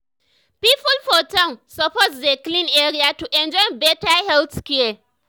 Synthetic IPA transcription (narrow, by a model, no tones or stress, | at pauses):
piːpʊlfɔtãnsɐpɔzdeklinʔeːɾiatuʔɛnd͡ʒɔ̃nbɛtahɛlθkɛɛ